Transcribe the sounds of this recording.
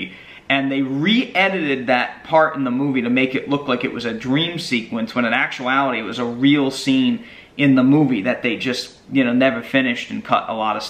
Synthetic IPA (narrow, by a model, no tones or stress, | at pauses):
ɨ̃nðeɪɹiʔɛɾɨɾɪd̪̚ðɨt̚pʰɑɹɾɨn̩ðəmuviɾɨmeɪkɨʔlʊklaɪkɨ̰ʔ̚wʌzɨdɹĩmsikwə̃nswə̃ñɨ̃næk̚t͡ʃuælˠəɾiwʌzəɹilˠsĩn | ɪ̃nðəmuviðɨt̪̚ðeɪd͡ʒʌst | jɨnoʊnɛvə˞fɪ̃nɨʃtn̩kʰʌ̰ɾə̰lɔɾʌ̥